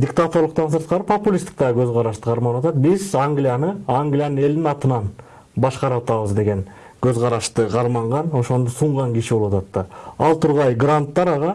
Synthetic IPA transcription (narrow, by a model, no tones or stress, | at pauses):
d̪ʲɪkt̪at̪o̞rlˠəqt̪ɑns̬ɯɾt̪̚qɑɾɯpo̞pulʲist̪ik̚t̪ɑʁɡøzʁɑɾɑʃt̪ɯqʰɑɾmɑnwɑt̪ɑt̪̚bizaŋɡlʲɪjanɯaŋɡlʲɪjanɯne̞ld̪ɪnɑt̪ɯnɑn | bɑʃqɑɾɑɑt̪ɑβəzd̪e̞ɡe̞n | køzʁɑɾɑʃt̪ɯqʰɑɾmɑɴʁɑno̞ʃo̞nd̪osuɴʁɑŋɡiʃibowɑt̪ɑt̪ːɑɑlˠt̪ʰuɾʁɑjɡrant̪ːɑɾɑʁɑ